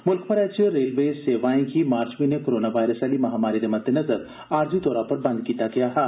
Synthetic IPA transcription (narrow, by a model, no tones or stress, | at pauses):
mʊlkʰpɐɾɛːt͡ʃəɾeːlʋeseːʋaːĩkimaːɾt͡ʃminekoːɾoːnaʋaːɪɾəsɛlimɐɦaːmaːɾid̪emɐd̪ʱːenɐzəɾ | aːɾd͡ʒit̪ɔːɾapɐɾbɐ̃nd̪̚kiːt̪akɐjaɦ̪ɛː